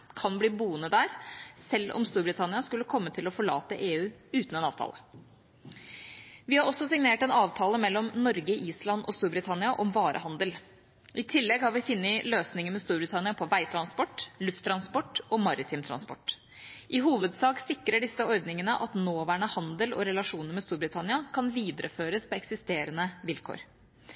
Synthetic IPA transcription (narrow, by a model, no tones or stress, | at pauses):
kʰɑnbliːbuːənəd̪æːɾsɛlːɔ̰mst̪uːɾbɾɪt̪ʰɑnɪɑskʉlːəkʰɔmːət̪ʰɪlɔfɔɭɑ̰ːt̪əʔeːʉːʉːt̪ənɛnɑ̰ːʋt̪ʰɑ̰ːlə | ʋɪhɑɾɔsːɔsɪŋneːʈɛnɑːʋt̪ʰɑːləmɛlːɔmnɔɾɡəʔiːslɑnɔ̰st̪uːɾbɾɪt̪ʰɑnɪɑʔɔmʋɑːɾʔə̰hɑnd̪əl | ʔɪt̪ʰɪlːɛɡhɑɾʋɪfɪnːəløːsnɪŋəmɛst̪uːɾbɾɪt̪ʰɑnɪɑpʰɔʋæɪt̪ʰɾɑnspɔʈːlʉft̪ʰːɾɑnspɔʈːɔːmɑɾɪt̪ʰɪmt̪ʰɾɑ̰nspɔ̰ʈː | ʔɪɦuːʋəd̪sɑːksɪkɾəɖɪsəɔɾd̪nɪŋənəʔɑt̪noːʋæːɳəhɑnd̪əlɔ̰ɾɛlɑʂuːnəɾmɛst̪uːɾbɾɪt̪ʰɑnɪɑkʰɑnʋiːd̪ɾʔəføːɾəspɔɛksɪst̪eːɾənəʋɪlkʰo̰ːɾ